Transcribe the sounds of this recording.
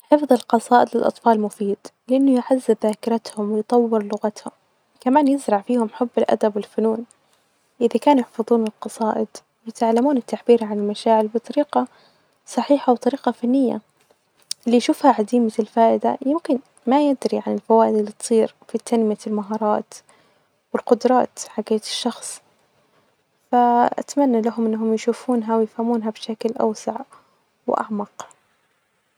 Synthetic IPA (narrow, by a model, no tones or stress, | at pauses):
ħɪfðˤɨlqɑsˤɑːʔɪd̪lɪlʔɑ̰t̪ˤfɑːlmʊfiːd̪ | lɪʔanːʊjʕazːɪbðaːkɪɾˤɑt̪hʊmwɪjt̪ˤɑwːɪɾlʊɣat̪hʊm | kamaːnjɪzɾˤɑʕfiːhʊmħʊbːɪlʔa̰d̪abwɪlfʊnuːn | ʔɪðakaːnujɪħfɑðˤuːnɪlqɑsˤɑːʔɪd̪ | jɪt̪ʕalːamuːnɪt̪ːaʕbiːɾʕanɪlmaʃaːʕɪlbɨt̪ˤɑɾiːqɑ | sˤɑħiːħawt̪ˤɑɾiːqɑfanːɪjːa̰ | ʔɪlːijʃuːfhaʕad̪iːmɪɪlfaːʔɪd̪a̰jɪmkɪn | majɪd̪ɾiʕanɪlfawaːʔɪd̪ɪlːit̪sˤiːɾfit̪ʰanmɪjalmaɦɑːɾˤɑːt̪ | wɪlqʊd̪ɾˤɑːt̪ħaɡeːt̪ɪ̥ʃːɑxsˤ | faʔa̰t̪manːalaɦʊmʔɪnːaɦʊmjʃuːfuːnɦawjɪfhamuːnɦabʃaklʔa̰wsa̰ʕ | wʔa̰ʕmɑq